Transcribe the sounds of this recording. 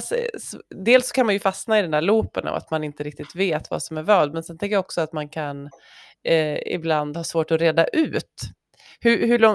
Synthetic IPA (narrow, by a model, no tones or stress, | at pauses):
ssd̪eːlsːɔ̥kʰanmanjɵfasnaɪd̪ɛnd̪æːɭuːpənʔɔ̰va̰t̪manɪnt̪əɾɪk̚t̪ɪt̪veːt̪va̰sɔmæɾvœːɖd̪mɛnsɛnt̪ʰɛŋkəjaɔksɔat̪mankʰan | ɪ̰bland̪hɑːsvoːʈɔɾeːd̪aʔʉ̟ːt̪ | hɵhɵɭɔ